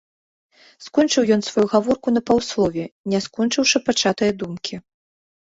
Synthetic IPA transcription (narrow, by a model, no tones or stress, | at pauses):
skɔnt͡ʂɨwjɔnsvajuɣavɔrkunɐpawslˠɔvʲɛnʲɛskɔnt͡ʂɨwʂɐpat͡ʂat̪ɨjɐd̪umkʲi